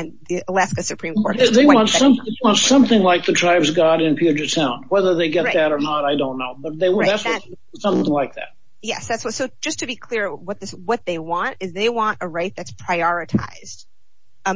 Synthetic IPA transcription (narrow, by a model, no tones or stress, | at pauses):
ɨ̃nðiəlæskɨsɨpʰɹ̥ĩmkʰɔɹɾðeɪwwɑ̃ntsʌ̃mðeɪwɑ̃ntsʌ̃mθɪ̃ŋlaɪk̚ðɨtʰɹ̥aɪbzɡɑɾɨ̃nfjʉd͡ʒə˞tʰãʊ̃nd̚wɛðə˞ðeɪɡɛt̪̚ðɨɾə˞nəɾaɪdõʊ̃nːoʊbʌt̪̚ðeɪwðæts | sʌ̃mθɪ̃ŋlaɪk̚ðæ̰t̚ | jɛ̰sðætswsoʊ̥d͡ʒʌstʰɨbikʰl̥ɪɹwʌt̪̚ðɪswʌt̪̚ðeɪwɑ̃ntɨzðeɪwɑ̃ntəɹaɪt̪̚ðɨtspʰɹ̥aɪɔɹɨtʰa̰ɪz̥d̥